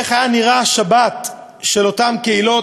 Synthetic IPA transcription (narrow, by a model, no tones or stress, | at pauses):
eχajaniʁaʃabat̪ | ʃe̞lo̞tamkeilo̞